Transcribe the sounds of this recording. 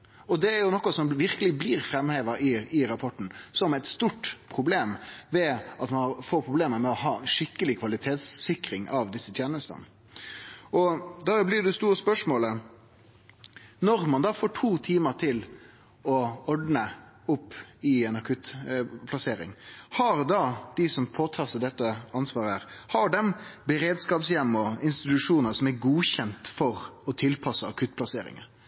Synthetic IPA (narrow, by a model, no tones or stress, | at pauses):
ɔd̪ɛæɾjʊnɔkːɔsɔmʋɪɾkəlɪbliːɾfɾɛmheːʋəɾɪɪɾɑpʰɔʈːn̩sɔmɛɪt̪st̪uːʈpʰʁʊbleːmʋɛɑt̪mɑnɑɾfoːɾpʰʁʊbleːməɾmɛɔhɑːʂɪkːəlɪkʰʋɑlɪt̪ʰeːt̪sːɪkɾɪŋɑʋd̪ɪsːət̪ʰjɛnəst̪ə̰n | ɔd̪ɑːblɪːɖɛst̪uːɾəspœʂmoːlə | nɔɾmɑnd̪ɑːfoːʈʰuːt̪ʰiːməʈʰɪl | ɔɔɖnə | ʊpːɪɛnɑkʰʉt̪pʰlɑseːɾɪ̰ŋhɑɾd̪ɑd̪̥ɪsɔmpʰoːt̪ʰɑːɾsæd̪ɛt̪ːəɑnsʋɑːɾəæɾhɑɖɛmbɛɾeːd̪skɑːpsjɛmːɔɪnst̪ɪt̪ʉʂuːnəsɔmæɾɡuːçɛnt̪fɔɾɔt̪ʰɪlpʰɑsːəɑkʰʉt̪̚ːpʰlɑsḛːɾɪ̰ŋə̰